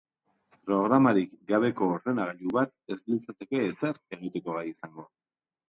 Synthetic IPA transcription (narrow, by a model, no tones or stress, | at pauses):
pɾo̞ɣ̞ɾamaɾikɡaβ̞e̞ko̞ːɾðe̞naɣaʎuβat̪e̞slisat̪e̞ke̞ːseɾe̞ɣ̞it̪e̞ko̞ɣajisaŋɡo̞